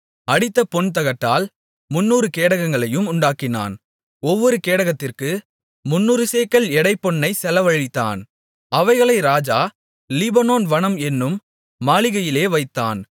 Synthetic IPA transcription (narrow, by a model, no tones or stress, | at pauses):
ɐɽɪt̪ːɐpɔɳt̪ɐɣɐʈːaːl | mʊnːuːɾɯkeːɽɐɣɐŋɡɐɭɐjɯmʊɳɖaːkːɪna̰ːn | ɔʋːɔɾɯkeːɽɐɣɐt̪ːɪrkɯ | mʊnːuːɾɯseːkɐlɛɽɐɪpːɔnːɐɪsɛlɐʋɐɻɪt̪ːa̰ːn | ɐʋɐɪɣɐɭɐɪɾaːd͡ʒaː | lɪbɐnoːnʋɐnɐmɛnːɯmː | aːɭɪɣɐjɪleːʋɐɪt̪ːa̰ːn